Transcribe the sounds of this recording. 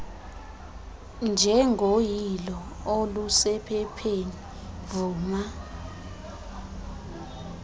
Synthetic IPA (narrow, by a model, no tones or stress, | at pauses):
nd͡ʒʱɛŋɡʱojilɔolusɛpʰɛpʰeni | vuːma